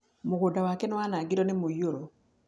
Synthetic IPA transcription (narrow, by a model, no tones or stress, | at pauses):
moɣodawakɛnɔwanaɡiɾɔnemojoɾɔ